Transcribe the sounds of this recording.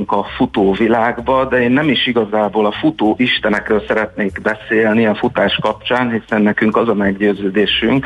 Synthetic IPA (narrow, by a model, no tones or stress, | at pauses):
ŋkɒfut̪oːvilaːɡbɒd̪ɛeːnːɛmiʃiɡɒzaːboːlɒfut̪oːʔiʃt̪ɛnɛkrøːlsɛɾɛt̪neːɡbɛseːlniɛfut̪aːʃkɒpt͡ʃaːnɦisɛnːɛkyŋkɒzɒmɛɡɟøːzøːd̪eːʃyŋk